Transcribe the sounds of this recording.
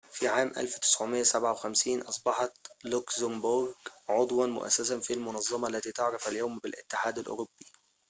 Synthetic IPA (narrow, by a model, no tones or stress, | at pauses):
fiʕaːmʔæ̰lfwt̪ɪ̥sʕʊmɪjːæsabʕawxæmsiːnʔɑsˤbɑħɑt̪lʊksʊmbʊɾɡʕod̪ˤwɑnmʊ̰ʔæ̰sːæsafilmʊnɑzˤːɑmɑʔalːæt̪iːt̪ɑʕɾɪfʔæljawmbɪlʔɪ̰t̪ːɪħaːd̪alʔʊ̰ɾʊb̥ːi̥